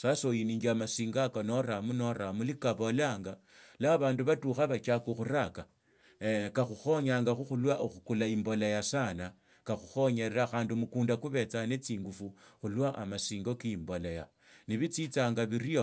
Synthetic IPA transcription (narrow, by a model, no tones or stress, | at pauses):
sasojiniːŋɡiamasiːŋɡakano̞ɾamuno̞ɾamulikaβolaːŋɡa | laβaːnduβatuxaβat͡ʃakuxuɾaka | kaxuxo̞ɲaːŋɡaxuxulwaʔoxukulaimbo̞lajasana | kaxuxo̞ɲeɾeɾaxaːndimukuːndakuβe̞t͡sane̞t͡siːŋɡufuxulwaʔa̰masiːŋɡo̞kiimbo̞laja̰ | niβit͡sit͡saːŋɡaβirio